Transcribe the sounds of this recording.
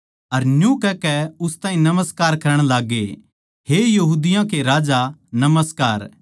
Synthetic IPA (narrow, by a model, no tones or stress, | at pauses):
ɐɾnjũkɛkɛʊst̪aːĩnɐməskaːɾkɐɾəɽ̃laːɡːe | hejɐɦuːd̪ɪjãkeɾaːd͡ʒanɐməskaːɾ